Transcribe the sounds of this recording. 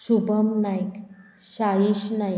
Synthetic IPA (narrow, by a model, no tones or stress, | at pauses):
subəmnajk | ɕajiɕnaj